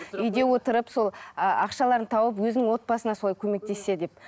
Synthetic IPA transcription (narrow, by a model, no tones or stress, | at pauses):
ʏjd̪e̞wo̞t̪əɾəpso̞lˠəɑqʃɑlˠɑɾət̪ʰɑwəp̬wɵzɪnɪŋwo̞t̪̚bɑsənɑsolˠɑjkʲʰɵme̞k̚t̪e̞sːe̞d̪e̞p̚